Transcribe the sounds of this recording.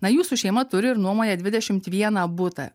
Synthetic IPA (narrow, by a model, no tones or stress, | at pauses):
nɐjuːsuːʃʲɛɪmɐt̪ʊɾʲɪɪɾnuɔmoːjʲɛːd̪ʲʋʲɪd̪ʲɛʃʲɪmt̪ʋʲiɛnɐbʊt̪ɐ̰